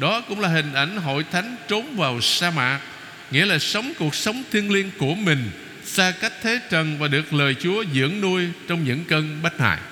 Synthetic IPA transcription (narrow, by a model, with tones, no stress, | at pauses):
ɗɔ˨˦kʊ̰˧˥ŋ͡mlaː˨˩ɦï˨˩ŋ̟ʔa˧˩jŋ̟ɦo̰˧˨jt̪ʰa˨˦jŋ̟t͡ɕo˨˦nvaː˨˩wsaː˧ma̰ː˧˨k̚ | ŋḭ˧˥əlaː˨˩sə˨˦wŋ͡mku˨˩ək̚sə˨˦wŋ͡mt̪ʰi˧ənli˧ənku˧˩əmï˨˩ŋ̟ | saː˧ka˦˥k̚t̪ʰe˨˦t͡ɕə˨˩nvaː˨˩ɗɨ˨˩ək̚ləː˨˩jt͡ɕu˨˦əzɨ̰˧˥əŋnu˧əjt͡ɕɔ˧wŋ͡mɲɨ̰˧˥ŋkə˧nɓa˦˥t̚ha̰ː˧˨j